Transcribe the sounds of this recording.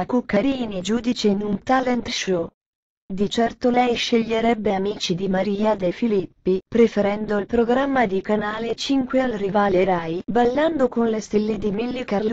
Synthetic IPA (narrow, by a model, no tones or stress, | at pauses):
akukːaɾiːnid͡ʒuːd̪it͡ʃeinunt̪alɛnt̪ʃo | d̪it͡ʃɛrt̪olɛjʃeʎːeɾɛbːeamiːt͡ʃid̪imaɾiːad̪efilipːipɾefeɾɛnd̪oilpɾoɡɾamːad̪ikanaːlet͡ʃiŋkwealrivaːleɾaːjbalːand̪okonlest̪elːed̪imilːikarl